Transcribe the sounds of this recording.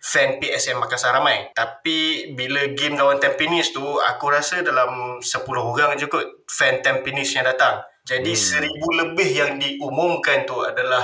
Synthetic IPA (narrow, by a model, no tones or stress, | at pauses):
fɛnpiʔɛsɛmːakasaɾamajt̪apibiləɡɪmdawant̪ɛmpinɪst̪ua̰kuɾasədalamsəpulʊɦuɡaŋd͡ʒukʊt̪̚fɛnt̪ɛmpinɪsɲãdat̪aŋ | d͡ʒadisəɾibuləbɪhjaŋdiumʊ̃mkant̪ua̰dalah